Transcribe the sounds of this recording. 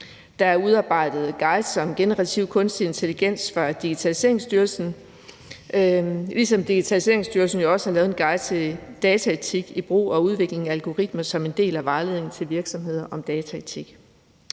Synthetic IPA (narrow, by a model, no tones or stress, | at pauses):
d̥ɑ̈æɐuð̞ˠɑ̈ːb̥ɑ̈ɪ̰d̥ð̞̩ˠɡ̥ɑ̈ɪd̥sɒ̽mɡ̥e̝nəʁɑ̈t͡sʰiʊ̰kʰɔ̽nsd̥ie̝nt͡sʰe̝liɡ̥en̰sfɒd̥iɡ̥it͡sʰælise̝̰ɐ̰e̝ŋsd̥yɐlsn̩ | lisɒ̽md̥iɡ̥it͡sʰælise̝ɐe̝ŋsd̥yɐlsn̩jo̝ɒ̽səhɑ̈lɛːʊð̞̩ˠenɡ̥ɑɪ̥d̥ɛːt͡sʰæet͡sʰiɡ̥ib̥ʁo̰ːɒ̽uð̞ˠʋe̝ɡ̥le̝ŋæælɡ̥o̝ʁid̥̚mɐsɒ̽me̝nd̥e̝̰ːlæʋɑ̈ːle̝ðˠeŋn̩t͡sʰe̝lʋiɐɡ̥sɒ̽mɦe̝ð̞̰ˠɐʔɒ̽md̥ɛːt͡sʰæet͡sʰiɡ̥